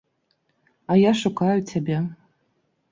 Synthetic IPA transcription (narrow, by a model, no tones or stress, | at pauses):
ajaʂakʷʰaɥtʰabʲa